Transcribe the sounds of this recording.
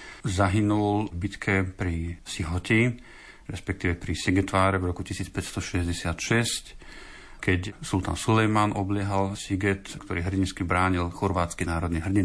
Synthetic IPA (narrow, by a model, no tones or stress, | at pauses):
zaɦinulbit̪kʰɛpɾisiɦɔci | ɾɛspɛk̚t̪iːʋɛpɾisiɡɛt̪ʋaːɾɛvɾɔkucisiːt͡spɛcst̪ɔʃɛzɟɛsɪat̪ʃɛsc | kɛcsult̪a̰msulɛjmanʔɔblɪɛɦalsiɡɛt̪kt̪ɔɾiːɦr̩ɟinskibɾaːɲilxɔɾʋaːt͡skinaːɾɔd̪niɦr̩ɟin